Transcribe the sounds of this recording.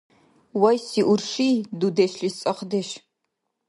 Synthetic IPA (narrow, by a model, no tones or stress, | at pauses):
wɐjsiːʔʷʊrʂiːdudɐɕɬɪst͡sʼɐχdɐʃ